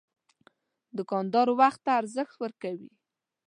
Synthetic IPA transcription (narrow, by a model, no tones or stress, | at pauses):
d̪əkɑnd̪ɑɾowaxt̪ːaːɾzəxt̪wəɾkawḭ